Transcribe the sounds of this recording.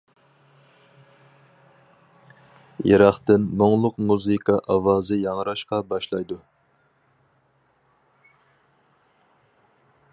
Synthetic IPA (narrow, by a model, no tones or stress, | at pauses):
jḛɾɑχt̪ɪnːoŋlˠʊqmuzɨkʰɑʔɑwɑːzɨjɑŋɾɑʃqɑbɑʃlˠɑjd̪u